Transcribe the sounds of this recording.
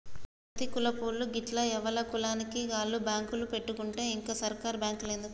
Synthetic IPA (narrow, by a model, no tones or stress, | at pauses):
ɾɐt̪ikulɐpuːɾluɡiʈlɐɛʋɐlɐkulaːnikiɡaːɭːubjaːŋkulupe̞ʈːukuɳʈe̞ːiŋkaːsɐɾkaːɾbjaːŋkleːnd̪u